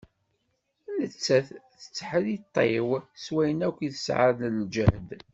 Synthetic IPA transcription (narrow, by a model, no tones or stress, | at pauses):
lət͡sːæθθə̥t͡sːħəðit̪ˤːewswæjənækʷːiθə̥sʕa̰ɾnəld͡ʒəhd̪